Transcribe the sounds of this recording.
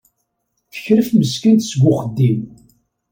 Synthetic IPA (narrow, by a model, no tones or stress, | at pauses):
fə̥çɾəfməskənt̪sɡʷʊqəd̪ːim